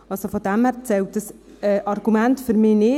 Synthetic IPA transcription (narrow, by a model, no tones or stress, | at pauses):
ɑlsofod̥æmhæɾt͡sɛlt̚dəs | ɛːʔɑrɡ̥umæntfyɾmɪːnɪ